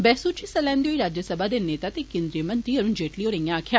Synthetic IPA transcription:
bɛːsuːt͡ʃiːsəlɛːnd̪eoːiːɾaːd͡ʒəsəbaːd̪eːneːt̪aːt̪eːkẽːnd̪ɾiəmənt̪ɾiːəɾuːnd͡ʒeːʈliːɦoːɾəjãːaːkʰjaː

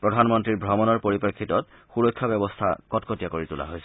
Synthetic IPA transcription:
pɹɔdʱanmɔntɹiɹbʱɹɔmɔnɔɹpoɹipekʰːitɔt̚ | xuɹɔjkʰːabɛbɔstʰa̰kɔtkɔtijakoɹitula̰ɦojsɛ

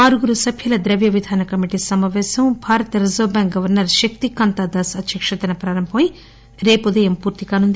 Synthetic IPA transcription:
aːɾuɡuɾusɐbʱjɐlɐd̪ɾɐʋjɐʋid̪ʱaːnɐkɐmiʈisɐmaːʋɛːsɐmbʱaːɾɐt̪ɐɾɐzoːbaːŋɡɐʋɐɾnɐɾʃɐk̚t̪ikɐnt̪aːd̪aːsɐt̪jɐkʂɐt̪ɐnɐpɾaːɾɐmbʱɐmi | ɾe̞ːpud̪ɐjɐmpuːɾt̪ikaːnund̪i

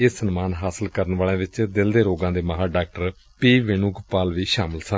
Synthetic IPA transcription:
ɪsənmaːnɦaːsəlkəɾənʋaːlãːʋɪt͡ʃd̪ɪld̪eːɾoːɡãːd̪eːməɦaːɖaːk̚ʈəɾ | piːʋɪnuːɡpaːlʋiːʃaːmɪlsə̃

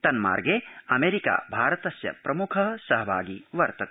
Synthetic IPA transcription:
t̪ɐnma̰ːɾɡeːɐmeːɾika̰ːbʱaːɾɐt̪ɐsjɐ̰pɾɐmukʰɐɦsɐɦɐbʱa̰ːɡiʋɐɾt̪ɐ

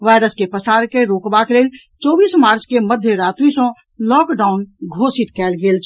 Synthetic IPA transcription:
ʋaːɪɾəskepəsaːɾkeɾoːkbakeleːl | t͡ʃɔːbiːsmaːɾt͡ʃkeməd̪ʱjəɾaːt̪ɾisõ | lɔːkɖaːʊnɡʱoːsɪt̪kɛːlɡeːlt͡ʃʰ

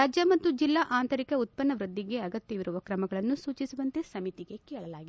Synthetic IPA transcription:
aːd͡ʒjɐmɐt̪ːud͡ʒilːaʔaːnt̪ɐɾikɐut̪̚pɐnːɐʋɾɨd̪ːiɡe̞ɐɡɐt̪jɐʋiɾuʋɐkɾɐmɐɡɐɭɐnːusuːt͡ʃisuʋɐnt̪esɐmit̪iɡe̞kɛːɭɐlaːɡi

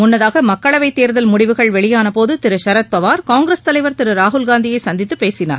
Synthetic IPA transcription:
mʊnːɐðaːɣɐmɐkːɐɭɐʋɐɪt̪ːeːɾðɐlmʊɽɪʋɯɣɐɭʋɛɭɪjaːnɐpoːðɯt̪ɪɾɯʃɐɾɐt̪̚pɐʋaːɾkaːŋɡɾest̪ɐlɐɪʋɐɾt̪ɪɾɯɾaːɦʊlɡaːnd̪ɪjɐɪsɐnd̪ɪt̪ːɯpːeːsɪna̰ɾ

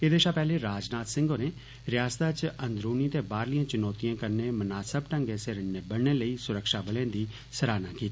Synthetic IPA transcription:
eːd̪eːʃaːpɛːleːɾaːd͡ʒnaːt̪sɪ̃ŋɡoːneː | ɾɪjaːst̪aːt͡ʃə̃nd̪ɾuːnĩːt̪eːbaːɾlijãːt͡ʃɪnɔːt̪ijãːkəɾneːmənaːsəbʈəŋɡeːseɾənneːbəɽɳeːləiːsʊɾəkʃaːbəlẽãːd̪iː | səɾaːnãːkiːt̪ː

